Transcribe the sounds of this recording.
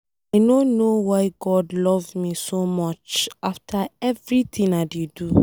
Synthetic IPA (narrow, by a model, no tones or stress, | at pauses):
aɪnõnowaɪɡɔdlɔvmisomɔt͡ʃaftʰaɛvɹitʰĩnaɪdedu